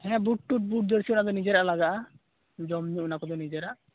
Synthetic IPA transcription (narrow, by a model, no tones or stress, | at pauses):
hɛ̃buʈ̚ʈuʈ̚buʈ̚d̪ɔɾsiunad̪ɔnid͡ʒɛɾaʔlaɡaʔa | d͡ʒɔmɲuunakɔd̪ɔnid͡ʒɛɾaʔ